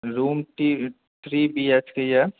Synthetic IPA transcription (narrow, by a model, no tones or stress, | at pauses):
ɾuːmʈi | t̪ʰɾiːbiet͡ʃkeja